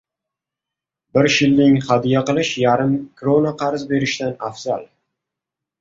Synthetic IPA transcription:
bɪɾʃɪlːɪŋhad̪ijaqɨlˠɪʃjaɾɪmkɾonaqʰɑɾzbe̞ɾɪʃt̪anafz̥al

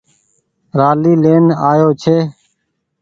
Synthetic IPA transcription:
ɾaːliːleːnaːjoːt͡ʃʰeː

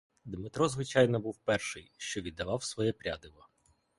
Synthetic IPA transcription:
d̪mɪt̪ɾɔzʋɪt͡ʃɑjnɔbuwpɛrʃɪjʃt͡ʃɔʋʲid̪ːɐʋɑwsʋɔjɛpɾʲa̰d̪ɪʋɔ

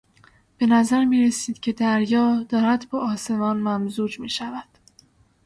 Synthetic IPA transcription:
b̥e̞næzæɾmiːɾe̞siːd̪̥cʲʰe̞d̪æɾjɒːd̪ɒːɾæd̪bɒːʔɒːse̞mɒːnmæmzuːd͡ʒmiːʃævæd̪̥

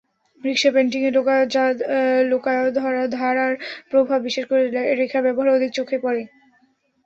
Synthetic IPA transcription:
ɾikʃapeɳʈiŋe | lokaeod̪ʱɔɾad̪ʱaɾaɾpɾobʱabːiʃeʃkoɾeɾekʰabɛboɦaɾod̪ʱik̚t͡ɕokʰːepɔɾe

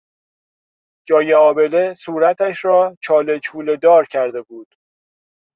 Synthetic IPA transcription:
d͡ʒɒːjeɒːbe̞lesuːɾæt̪ʰæʃɾɒːt͡ʃʰɒːle̞t͡ʃʰuːle̞d̪ɒːɾcʰæɾd̪e̞buːd̪̥

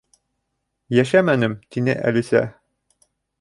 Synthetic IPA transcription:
jæʃæmænɘmt̪inɘ̰ʔæ̰lisæ̰

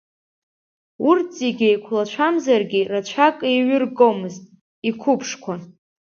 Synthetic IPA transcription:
urzeɡʲejkʷʰlat͡ʃʷʰamzarɡʲirat͡ʃʷʰakʼejɥɪrɡomɨztʼ | ikʷʰʊpʰʂkʷʰa

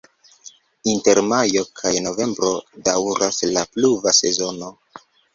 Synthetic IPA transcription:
inte̞ɾmajo̞kʰajno̞ve̞mbɾo̞dawɾaslapluvase̞̰zo̞no̞

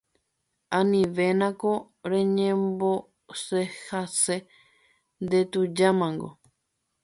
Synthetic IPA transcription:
ãnĩʋe̞nãko | ɾẽɲẽmbo | sehase | nd̪et̪ud͡ʒamãŋɡo̰

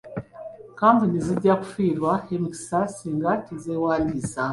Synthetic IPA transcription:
kambuniziɟaku̥fiɾwahemiki̥sasiːŋɡatizewaːliza

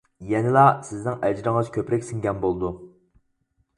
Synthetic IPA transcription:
jɛnɪlˠɑsɪznɪŋɛd͡ʒɾɪŋɨz̥kʲʰøpɾɛkʲsɪŋɡʲɛnbolˠd̪u

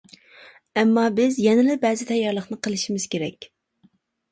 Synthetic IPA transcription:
ɛmːɑbɪzjɛnɪlɪbɛːzɪt̪ʰɛjːɑɾlˠəχnɨqʰəlˠɪʃimɪz̥kʲeɾɛkʲ

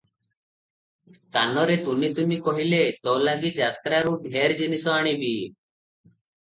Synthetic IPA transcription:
k̪anɔɾet̪umit̪umikɔɦilet̪ɔwlaɡid͡ʒat̪ɾaɾuɖʱeɾd͡ʒinisɔaɽ̃ibi

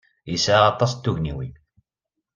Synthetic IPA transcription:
jisʕaɑt̪ˤɑst̪ːuʝniwḭ

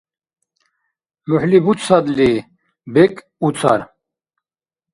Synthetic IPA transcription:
muħlibut͡ssɐd̪li | bek | ut͡sʰɐ̰ɾ

